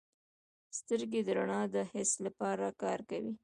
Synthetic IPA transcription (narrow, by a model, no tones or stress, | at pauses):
st̪əɾɡed̪əɾaɳɑd̪əhɪslapɑɾakɑɾkawi